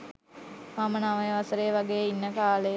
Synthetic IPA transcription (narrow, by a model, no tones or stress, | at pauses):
mamənaʋəjəʋasəɾejʋaɡeːinːəkaːle